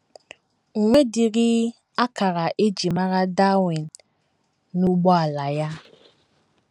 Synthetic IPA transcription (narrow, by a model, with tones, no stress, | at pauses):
ŋ̩˨ŋʷe˦di˨ɾɪ˦ | a˦ka˨ɾa˨ʔe˦d͡ʒi˨ma˦ɾa˦da˦wi˨nː | u˦ɡ͡bɔ˦a˨la˨ja˦